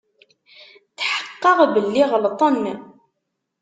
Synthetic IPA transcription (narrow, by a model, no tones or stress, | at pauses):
θħə̥qːɑʁbəlːiʁəlt̪ˤɑnːə